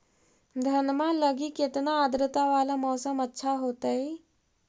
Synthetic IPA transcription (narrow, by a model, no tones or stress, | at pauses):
d̪ʱənmãləɡiket̪naəd̪ɾət̪aʋalamɔːsəmətːʃʰaɦoːt̪əj